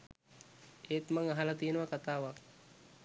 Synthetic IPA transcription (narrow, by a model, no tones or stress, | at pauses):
eːt̪maŋaɦalat̪ijənəʋakat̪aːʋak